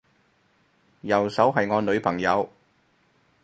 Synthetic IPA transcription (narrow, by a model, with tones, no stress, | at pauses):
jɐ˨˩wsɐ˨˥wɦɐ˨jŋɔː˨˧nɵ˨˧ɥpʰɐ˨˩ŋjɐ˨˧w